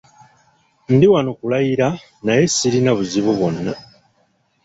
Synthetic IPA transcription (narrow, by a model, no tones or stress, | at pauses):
n̩diwanokulajiɾa | naje̞sːiɾinaβuziβuβo̞nːa